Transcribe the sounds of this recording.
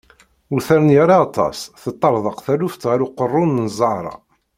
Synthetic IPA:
uθæɾənjaɾˤɑːt̪ˤːɑ̰sθət̪ˤːɑɾˤðˤəqθæluft̪ːʁæɾuqərˤːʊnnzˤɑɾˤɑ̰

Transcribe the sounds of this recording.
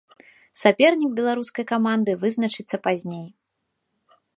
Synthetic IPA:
sapʲɛrnʲiɡ̚bʲɛlˠaɾuskɐjkamand̪ɨvɨznɐt͡ʂɨt̪sːɐpazʲnʲej

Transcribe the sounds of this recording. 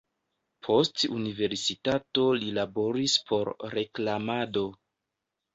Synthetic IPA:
pʰo̞stṵnive̞ɾsitato̞lilabo̞ɾispʰo̞ɾɾe̞klamado̞

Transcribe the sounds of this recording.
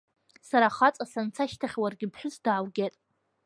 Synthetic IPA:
saɾaχat͡sʼasant͡sʰaʃtʰaχʲwarɡʲɪpʰħʷᶣʊzdaʕːlɡʲetʼ

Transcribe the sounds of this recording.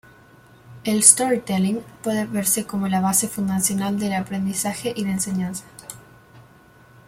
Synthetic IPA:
elst̪o̞ɾit̪eliŋpweðeβeɾse̞ko̞mo̞laβ̞asefund̪asjo̞nald̪e̞lapɾe̞nd̪isaxeʔiðense̞ɲansḁ

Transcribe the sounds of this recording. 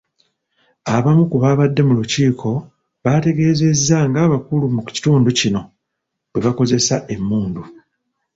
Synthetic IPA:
aβamukuβaβadːe̞muluciːkʰo̞ | βate̞ɡe̞ːze̞zːaŋɡaːβakulumuci̥tuːnducino̞ | bwe̞βako̞ze̞saʔe̞mːuːndu

